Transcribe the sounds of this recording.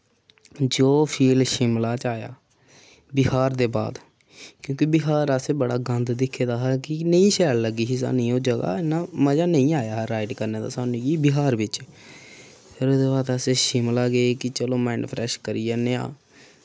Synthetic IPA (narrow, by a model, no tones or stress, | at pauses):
d͡ʒoːpʰiːlʃɪmlaːt͡ʃaːja̰ː | bɪhaːɾd̪eːba̰ːd̪ | kjõːkibɪɦaːɾəseːbəɽaːɡə̃nd̪d̪ɪkʰːeːd̪aːɦɛːkɪnəĩːʃɛːlləɡiːɦɪs̬a̰ːnĩːoːd͡ʒəɡa̰ːɪnːaːməd͡ʒaːnəĩːaːjaːɦɾaːɪɖkəɾneːd̪a̰ːsaːnũːkiːbɪɦaːɾʋɪt͡ʃ | pʰɪɾoːd̪eːbaːd̪əseːʃɪmlaːɡeekɪt͡ʃəlõːmɛːnpʰɾɛːʃkəɾiːaːneːa̰ː